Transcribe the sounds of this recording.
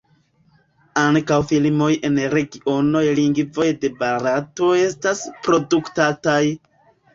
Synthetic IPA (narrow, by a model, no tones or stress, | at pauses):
aŋkawfilmo̞je̞nɾe̞ɡiʔo̞no̞jliŋɡvo̞jde̞baɾato̞e̞staspɾo̞duktataj